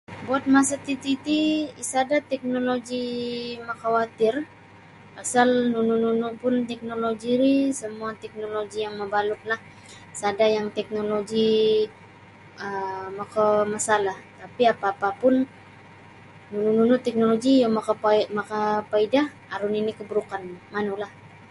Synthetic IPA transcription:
buat̪̚masat̪it̪it̪iisadat̪ɛk̚noloɡimakawat̪ɪr | asalnunununupʊnt̪ɛk̚noloɡiɾisəmuat̪ɛk̚noloɡijaŋməbalʊt̪̚lah | sadajaŋt̪ɛk̚noloɡi | əmakamasalaht̪apiapaːpapʊn | nunununut̪ɛk̚noloɡijomakamakapaida | aɾʊninikəbəɾukanmanulah

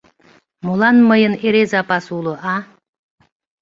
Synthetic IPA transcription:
molˠɑnməjəneɾezapasulˠɤ̆ʔɑ

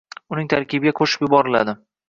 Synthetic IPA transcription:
ʊnɪŋt̪ʰaɾkʲʰɪbɪɡʲakʰoʃɪ̥pjʊbɒɾɪla̰d̪ɪ

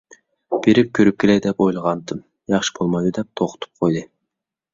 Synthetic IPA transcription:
b̥eɾip̚kʲʰøɾyp̚kʰʲelæjd̪epojlˠɑʁɑnd̪ɯm | jɑχʃɯ̥bolˠmɑjd̪ud̪ep̚t̪ʰoqʊ̥t̪ʰu̥p̚qʰojd̪ɯ

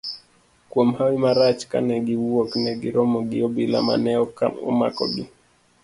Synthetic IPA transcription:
kwɔm̩hawimaɾat͡ʃka̰nɛɡiwuɔknɛɡiɾɔmɔɡiɔɓila̰ma̰nɛɔkaɔ̰ma̰kɔ̰ɓi

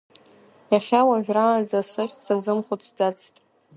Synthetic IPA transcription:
jaχʲawaʒᶣraːnd͡zasɨχʲt͡sazɨmχʷʊt͡sʰd͡zat͡sʰtʼ

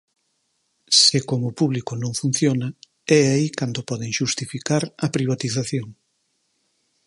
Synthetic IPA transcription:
sɪkomʊpuβlikonõŋfun̟θjonɐ | ɛaikand̪opɔðɪŋʃust̪ifikaɾɐpɾiβ̞at̪iθaθjoŋ

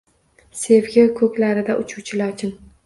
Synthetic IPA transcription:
se̞vɡʲɪkʰɵkʲlaɾɪd̪aʔʊt͡ʃʰuwt͡ʃʰɪlaɾt͡ʃʰɪn

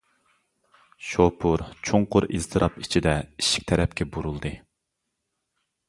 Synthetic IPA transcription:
ʃopʰuɾt͡ʃʰoŋqʊɾiz̥t̪ʰɨɾʔɑpit͡ʃʰid̪ɛiʃi̥k̚ʲt̪ʰɛɾɛpkʲʰɛbuɾulˠd̪ɨ

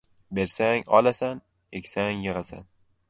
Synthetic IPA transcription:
be̞ɾsaŋɒlasan | ekʲsaŋjɨʁasa̰n

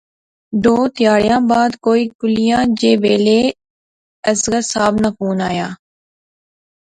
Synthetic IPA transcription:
ɖoːt̪ɪjaːɽɪjãːbaːd̪koːiːkʊlɪjãːd͡ʒeːʋeːleː | əsɡəsaːbnapʰuːnaːjaː

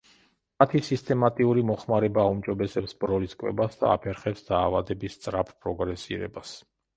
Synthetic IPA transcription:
at̪ʰisist̪ʼʰɛmat̪ʼiuɾimɔχmaɾɛbaːumd͡ʒɔbɛsɛpsbɾɔliskʼwɛ̰basd̪a̰a̰pʰɛɾχɛpsd̪̥aːvad̪ɛbist̪sʼɾapʰpʼɾɔɡɾɛsḭɾɛ̰bas

